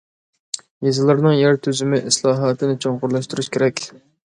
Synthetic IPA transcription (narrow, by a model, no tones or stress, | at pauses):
jezɨlˠɨɾnɨŋjæɾt̪ʰyzymɪʔɪslˠɑːɦɑːt̪ʰɪnɪt͡ʃʰoŋqʊɾlˠɑʃt̪uɾuʃkʲʰeɾɛkʲ